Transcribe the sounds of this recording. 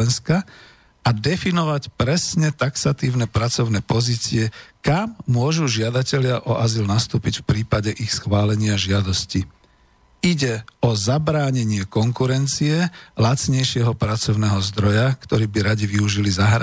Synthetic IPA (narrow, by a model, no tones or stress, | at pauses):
ɛnska | ad̪ɛfinɔʋacpɾɛsɲɛt̪aksat̪iːʊnɛpɾat͡sɔʊnɛːpɔziːt͡siɛkamːʊɔʒuʒɪad̪acɛʎɪaʔɔʔazilnast̪uːpicfpɾiːpaɟɛʔixsxʋaːlɛɲɪaʒɪad̪ɔsci | iɟɛɔzabɾaːɲɛɲɪɛkɔŋkuɾɛnt͡siɛlat͡sɲɛjʃɪɛɦɔpɾat͡sɔʊnɛːɦɔzd̪ɾɔjakt̪ɔɾiːbiɾaɟiʋiuʒilizaɦɾa